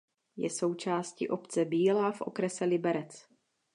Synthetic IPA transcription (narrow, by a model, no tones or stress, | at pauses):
jɛ̰so̞wt͡ʃaːscḭʔo̞pt͡sɛbiːlaːfʔo̞̰kɾɛsɛlɪbɛɾɛt͡s